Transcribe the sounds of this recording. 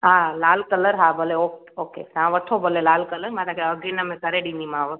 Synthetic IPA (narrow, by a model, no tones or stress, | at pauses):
ɦãlaːlkələɾɦabʱəleo | okḛɦãʋəʈʰobʱəlelaːlkələɾmãt̪akʰeəɡinəmẽkəɾeɖĩnd̪imãʋə